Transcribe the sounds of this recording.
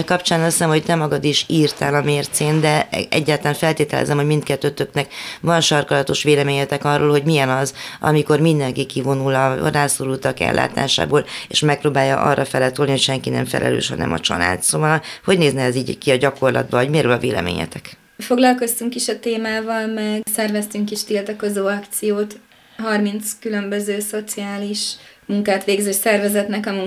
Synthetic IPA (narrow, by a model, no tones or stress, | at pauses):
kɒpt͡ʃaːnɒsɛmho̞ct̪ɛmɒɡɒd̪iʃiːrt̪aːlɒmeːrt̪seːnd̪ɛɛ̰ɟːaːɾt̪laːɱfɛlt̪eːt̪ɛlɛ̰zɛmho̞ɟmint̪kɛt̪ːøːt̪øknɛkvɒnʃɒrkɒlɒt̪o̞ʃʋeːlɛmeːɲɛt̪ɛkɒrːoːlɦo̞ɟmijɛnɒzɒ̰miko̞rmind̪ɛŋkikivo̞nulɒraːsoɾult̪ɒkɛ̰lːʔa̰ːt̪a̰ːʃa̰ːboːlḛʃmɛk̚proːbaːjːɒ̰ʔɒ̰rːɒfɛlɛt̪olniho̞cʃɛŋkinɛ̰ɱfɛ̰lʔɛ̰lø̰ːʃhɒ̰nɛ̰mɒ̰t͡ʃɒ̰la̰ːt̪sovɒlho̞ɟneːznɛɛziːɟkiɒɟɒko̞rlɒ̰d̪̚bɒɒɟmeːɾølɒveːlɛ̰mḛːɲɛ̰t̪ɛk | fo̞ɡlɒlko̞st̪yŋkiʃɒt̪eːmaːvɒlmɛɡsɛrvɛst̪yŋkiʃt̪ilt̪ɒko̞zoːɒkt̪sijoːt̪ | ɦɒrmint̪skylømbøzøːso̞t̪siaːliʃmuŋkaːt̪ʋeːɡzeːʃsɛrvɛzɛt̪nɛkɒmuŋ